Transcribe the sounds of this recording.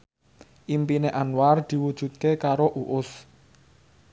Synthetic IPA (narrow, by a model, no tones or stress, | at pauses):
ʔimpineʔanward̪̥i̤wud̥ʒ̥ṳt̪̚kekaɾoʔuʔʊs